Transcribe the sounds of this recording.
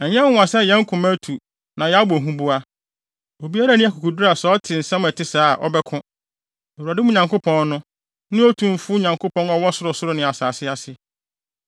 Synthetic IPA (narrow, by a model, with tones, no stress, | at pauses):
ɛ˨ɲɛ̃˦ʊ̃˨a˨sɛ˦jɛ̃˦ŋ̩˦kʰʊ̃˨mæ˦tʰu˨ | nã˨jɛ˨˦a˦bɔ˨ɦũ˦bʊ˦a˦ | o˨bi˦a˦ɾa˦nĩ˦ɛ˦˨kʰʊ˨kʰu˨dɾa˨sɛ˨˦ɔ˦tʰɪ̃˨n̩˨sã˦m˨ɛ˨tʰɪ˦saː˨˦˨ʔɔ̰˦bɛ˦kʰʊ̃˦ | ɛ˨wu˨a˨dɪ˦mʊ̃˦ɲã˨ŋko˦pʰɔ̃˦nː˦ʊ̃˦ | nɪ̃˦o˦tʰũ˨m˦fʊ˦ɲã˨ŋkʰo˦pʰɔ̃˦nɔ˦wɔ˦sʊ˦ɾʊ˨sʊ˦ɾʊ˦nɪ̃˨a˨saː˨sɪ˦a˨sɪ˦